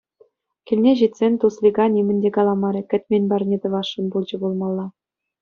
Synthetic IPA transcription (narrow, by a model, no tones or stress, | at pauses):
kʲilʲnʲeʑit̪ʲsʲenʲt̪uslʲiɡɑnʲimʲɘ̆nʲdʲekɑlˠɑmɑɾʲĕkʲɘ̆t̪ʲmʲenʲbɑrʲnʲet̪ɤ̆ʋɑʂːɤ̆nbulˠd͡ʑɤ̆bulˠmɑlˠːɑ